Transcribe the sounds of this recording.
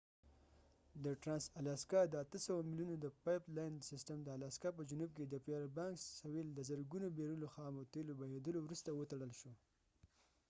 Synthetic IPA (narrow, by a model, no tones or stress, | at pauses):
d̪əʈɾɑnsalɑskɑd̪əat̪əsawamiljunod̪əpɑjplɑjnsɪsʈəmd̪əalaskap̬əd͡ʒunub̚ked̪əpeaɾbɑŋksaweld̪əzəɾɡunobeɾuloxɑmot̪elobajed̪əlowɾust̪awət̪aɽəlʃo